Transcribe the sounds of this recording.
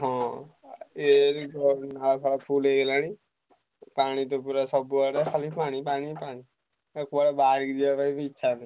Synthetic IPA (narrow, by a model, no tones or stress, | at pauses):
ɦɔ̃ | eɾɡɔnalakʰaɽapʰuleɡelaɽ̃i | paːɽ̃it̪̬opuɾasɔbuaɽekʰalipaɽ̃ipaɽ̃ipaːɽ̃i | ekbaɽabaɾkid̪iapaibitːʃʰani